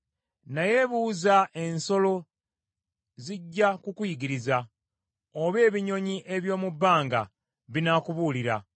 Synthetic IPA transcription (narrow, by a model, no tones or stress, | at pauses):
naje̞βuːzaʔe̞nso̞lo̞ | ziɟːakukwiːɡiɾiza | oβe̞ːβiɲo̞ɲiʔe̞βjo̞ːmubːaːŋɡa̰ | βinakuβuːliɾa̰